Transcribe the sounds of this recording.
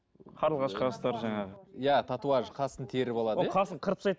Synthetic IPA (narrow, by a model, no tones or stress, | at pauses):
qʰɑɾəlˠʁɑʃqʰɑst̪ɑɾʒɑɴɑʁəjæt̪ʰɑt̪uwɑʒqʰɑsənt̪ʰe̞ɾɪpɑlˠɑd̪oəqʰɑsəɴqʰəɾəpsɑjt̪